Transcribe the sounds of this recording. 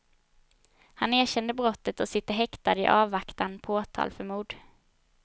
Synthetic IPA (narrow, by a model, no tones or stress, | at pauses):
haneːɕɛnd̪əbɾɔt̪ːət̪ɔsɪt̪ːəɦɛkt̪ad̪ɪ̰ʔɑːvakt̪ʰanpʰoːt̪ʰɑ̰ːlfœɾmuːd̪